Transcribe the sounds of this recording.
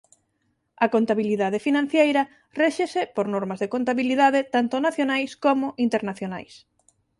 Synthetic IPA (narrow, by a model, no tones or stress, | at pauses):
ɐkont̪aβiliðað̞efinãn̟θjejɾɐ | reʃesɪpoɾnɔɾmɐzðekont̪aβiliðaðɪt̪ant̪ʊnaθjonajskomʊʔint̪eɾnaθjona̰js